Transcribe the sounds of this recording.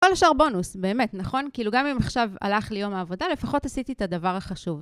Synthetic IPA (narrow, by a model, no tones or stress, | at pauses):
koleʃaʁbo̞nusbe̞ːme̞tnaχo̞nkiiluɡamimaχʃava̰laχlejo̞maːvo̞dale̞faχo̞tasit̪iet̪adavaʁaχaʃuv